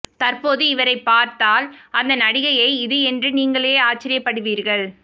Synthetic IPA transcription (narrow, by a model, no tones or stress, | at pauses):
t̪ɐrpoːðɯɪʋɐɾɐɪpːaːɾt̪aːlɐnd̪ɐnɐɽɪɣɐjɐɪɪðɯɛndrɯniːŋɡɐɭeːaːt͡ʃːɪɾɪjɐpːɐɽɯʋiːɾɣɐɭ